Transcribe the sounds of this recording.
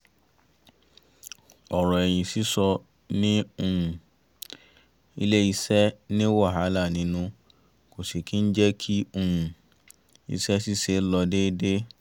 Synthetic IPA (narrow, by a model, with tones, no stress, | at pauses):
ɔ˨ɾɔ˨ɛ˨j̃ĩ˨si˨˦sɔ˧ | nĩ˦o˧hũ˨ | ḭ˧le˦i˧sɛ˦nĩ˦wɔ˦˨ɦa˨˦la˦˨nĩ˨˦nũ˧ | ko˨se˨ki˦n̩˦d͡ʒɛ˦kʰi˦o˦hũ˨ | ḭ˧sɛ˦si˦se˨˦lɔ˧de˦de˦